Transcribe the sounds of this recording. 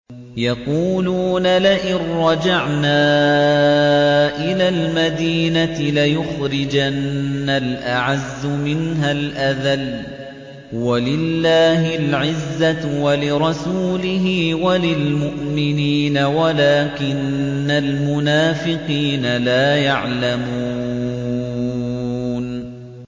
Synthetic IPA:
jɑquːluːnalɪʔɪnːɑd͡ʒaʕnaː | ʔɪlaːlmad̪iːnat̪ɪlajʊxɾɪd͡ʒanːalʔaʕazːʊmɪnɦalʔaðal | walɪlːaːɦɪlʕɪzːawalɪɾˤɑsuːlɪɦiwalɪlmʊʔmɪniːnawalaːkɪnː | almʊnaːfɪqiːnalaːjaʕlamuuː | n

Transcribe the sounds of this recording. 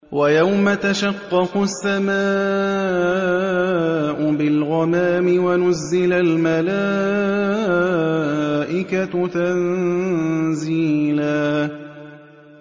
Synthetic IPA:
wajawmat̪aʃɑqːɑkʊsːamaː | ʔʊbɪlɣɑmaːmɪwanʊzːɪlalmalaː | ʔɪkat̪an | ziːlaː

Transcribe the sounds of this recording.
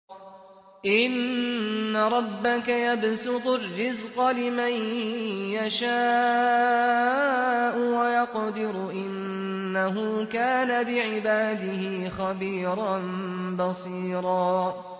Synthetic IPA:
ʔɪnnːaɾˤɑbːakajabsʊd̪ˤʊrːɪzqɑlɪmanjaʃaː | ʔʊwajɑqd̪ɪɾʔɪnː | aɦʊːkaːnabɪʕɪbaːd̪ɪhixabiːɾˤɑnbɑsˤiːɾˤɑː

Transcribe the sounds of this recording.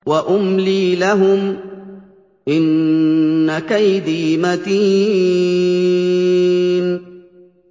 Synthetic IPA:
waʔʊmliːlaɦʊm | ʔɪnː | akajd̪iːmat̪iː | n

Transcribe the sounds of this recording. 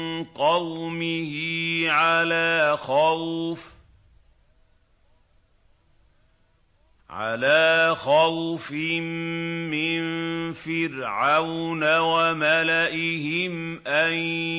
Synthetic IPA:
nqɑwmɪhɪʕalaːxa | ʕa̰laːxawfɪmːɪnfɪɾʕawnawamalaʔɪhɪmʔan

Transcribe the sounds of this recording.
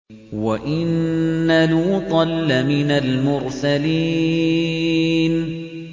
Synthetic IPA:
waʔɪnːaluːt̪ˤɑlːamɪnalmʊɾsali | n

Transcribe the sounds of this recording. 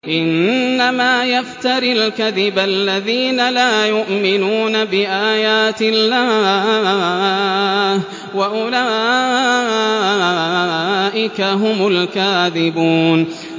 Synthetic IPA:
ʔɪnːamaːjaft̪ɑɾɪlkaðɪbalːaðiːnalaːjʊʔmɪnuːnabɪʔaːjaːt̪ɪlːaː | waʔʊlaː | ʔɪkaɦʊmʊlkaːðɪbuːn

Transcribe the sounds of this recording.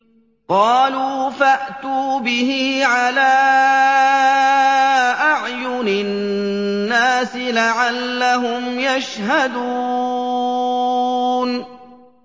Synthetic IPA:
qɑːluːfaʔt̪uːbɪhiːʕalaː | ʔaʕjʊnɪ | nːaːsɪlaʕalːaɦʊmjaʃhad̪u | n

